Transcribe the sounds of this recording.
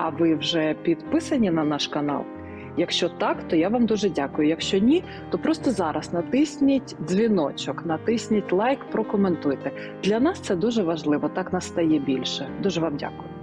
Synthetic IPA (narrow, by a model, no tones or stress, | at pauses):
ɐʋɪwʒɛpʲid̪pɪsɐnʲinɐnɑʃkɐnɑ̰lˠ | jɐkʃt͡ʃɔt̪ɑkt̪ɔjaʋamd̪uʒɛdʲakʊjʊjɐkʃt͡ʃɔnʲi | t̪ɔpɾɔst̪ɔzɑɾʔɐsnɐt̪ɪsʲnʲitʲzʲʋʲinɔt͡ʃɔknɐt̪ɪsʲnʲɐtʲlˠɑjkpɾɔkɔment̪ujt̪ɛ | d̪lʲɐnɑst̪sɛd̪uʒɛʋɐʒlˠɪʋɔt̪ɑknɑsːt̪ɐjɛbʲilʲʃɛd̪uʒɛʋɑmdʲa̰kʊjʊ